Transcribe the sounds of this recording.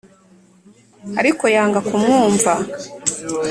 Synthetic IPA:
aɾiko̞jaːŋɡakumŋuːɱva

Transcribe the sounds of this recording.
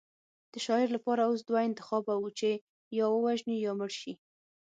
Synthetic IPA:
d̪̥əʃɑɪɾlapɑɾaosd̪waɪnt̪ɪxɑbawut͡ʃe | jɑwəwaʒnijɑməɽʃi

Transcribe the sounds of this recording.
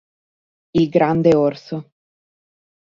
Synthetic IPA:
ilɡɾand̪eorso

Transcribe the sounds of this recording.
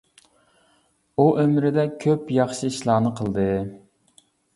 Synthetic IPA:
uʔømɾɪd̪ɛkʲʰøpjɑχʃɨiʃlˠɑːnɨqʰəlˠd̪ɨ

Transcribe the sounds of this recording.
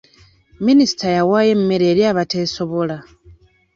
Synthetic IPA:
minisi̥tʰajawaːje̞m̩umeɾe̞ːɾjaːβate̞ːso̞βo̞la

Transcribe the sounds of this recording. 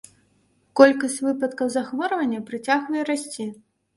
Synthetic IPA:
kɔlʲkɐsʲt͡sʲvɨpɐt̪̚kɐwzaxvɔɾɐvɐnʲːɐpɾɨt͡sʲaɣvɐjɛɾasʲt͡sʲi

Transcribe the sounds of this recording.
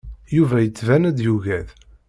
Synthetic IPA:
juvæjət͡sːvænæd̪juʝæð

